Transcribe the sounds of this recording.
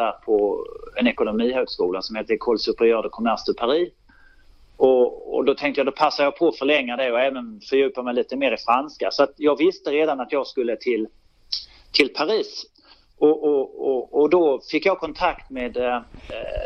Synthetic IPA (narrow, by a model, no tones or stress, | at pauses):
æːɾpʰɔɛnɛkʊnʊmiːhøːɡskuːlasɔmheːt̪ːəkʰɔlsɵpːəɾjøːɾad̪əkʰɔmæɾʂɵpʰaɾiː | ɔɔ̰d̪ɔt̪ʰɛŋkt̪əjaːd̪ɔpʰasːaɾjɑːpʰɔfœɾɭɛŋːad̪ɛɔɛːvənfœɾjʉ̟ːpamɛɪliːt̪əmeːɾɪfɾanska̰sɔat̪jɑːɡvɪst̪əɾeːd̪anat̪jɑːɡskɵlːət̪ʰɪl | t̪ʰɪlpʰaɾiːs | ʔɔʔɔɔːd̪ɔfɪkːjɑːɡ̚kʰɔnt̪ʰakt̪meːd̪